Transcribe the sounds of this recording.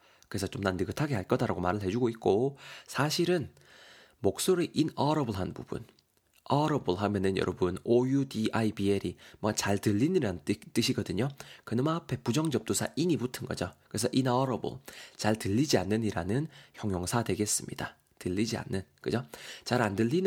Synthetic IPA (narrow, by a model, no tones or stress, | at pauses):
kɯe̞sʰʌt͡ɕomnanːɯɡɯtʰaɡe̞haɭk͈ʌdaɾaɡomaɾɯɭɦe̞d͡ʑuɡoit̚k͈osʰaɕʰiɾɯn | mok̚s͈oɾiʔinʌɾʌbɯɭɦanbṵb̥ṵn | ʌɾʌbɯɭɦamjʌnɯnjʌ̰ɾʌbɯnojudiaibieɾimwʌt͡ɕaɭtɯʎːiniɾant͈ɯɕʰiɡʌdɯɲokɯnɯmapʰe̞pud͡ʑʌŋd͡ʑʌp̚t͈osʰa̰ʔiɲibutʰɯnɡʌ̰d͡ʑokɯɾesʰʌʔinʌɾʌbɯ̰ɭt͡ɕaɭtɯʎːid͡ʑianːɯɲiɾanɯnçjʌŋjoŋsʰadwe̞ɡe̞s͈ɯmɲḭda | tɯʎːid͡ʑia̰nːɯnkɯd͡ʑot͡ɕaɾandɯʎːin